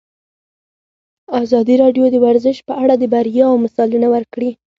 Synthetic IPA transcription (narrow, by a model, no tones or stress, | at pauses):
ɑzɑd̪iɾɑɖjod̪əwaɾzɪʃpəaɽad̪əbaɾjɑwmasɑlinawəɾkɽi